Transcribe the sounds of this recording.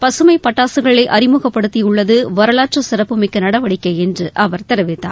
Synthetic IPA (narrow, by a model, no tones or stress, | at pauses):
pɐsɯmɐɪpɐʈːaːsɯɣɐɭɐɪʔɐɾɪmʊɣɐpːɐɽɯt̪ːiʊɭːɐðɯʋɐɾɐɭaːʈ̚t͡ʃɐsɪɾɐpːɯmɪkːɯnɐɽɐʋɐɽɪkːɐɪɛndrɯʔɐʋɐɾt̪ɛɾɯʋɪt̪ːa̰ː